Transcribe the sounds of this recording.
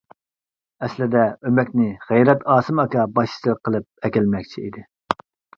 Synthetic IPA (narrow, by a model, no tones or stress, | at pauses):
ɛslɪd̪ɛømɛkʲnɪʁæjɾɛt̪ɑːsɨmɑkɑbɑʃi̥sɨqʰəlˠɨp̚ɛkʲilmɛkʲt͡ʃʰiid̪ɪ